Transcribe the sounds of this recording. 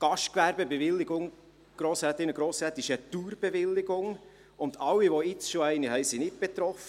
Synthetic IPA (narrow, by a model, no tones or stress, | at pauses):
ɡ̥ɑʃtkʋæɾbəbɛvɪlːɪɡʊŋ | ɡ̥ɾoːsɛt̪ɪnəɡɾoːsɛːt̪ɪʃɛt̪uːɾb̥ɛvɪlːɪɡʊŋ | ʊnd̪ɑwiʋoɪt͡sʃoɛɪnihɛɪsinɪt̚b̥ɛt̪ɾɔfə